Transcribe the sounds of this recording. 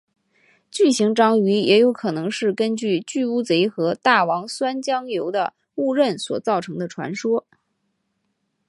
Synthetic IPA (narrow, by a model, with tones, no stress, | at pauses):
t͡ɕy˥˩ɕi˧˥ŋʈ͡ʂɑ˥ŋy˧˥jɛ˧˥jo˧˥ʊkʰɤ˨˩nɤ˧˥ŋʂɻ̩˥˩kə˥nt͡ɕy˥˧t͡ɕy˥˧u˥t͡se˧˥ɪxɤ˧˥t̪a˥˩wɑ˧˥ŋswa˥nt͡ɕjɑ˥ŋjo˧˥ʊd̪ə˧ | u˥˧ɻə˥˩nswɔ˨˩t͡sɑ˥˩ʊʈ͡ʂʰɤ˧˥ŋd̪ə˧ʈ͡ʂʰwa̰˧˥nʂwɔ˥